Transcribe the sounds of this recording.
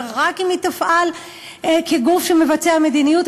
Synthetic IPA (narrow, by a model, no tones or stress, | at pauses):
ʁakimit̪afʔal | keɡufʃeme̞vat͡seame̞d̪inijut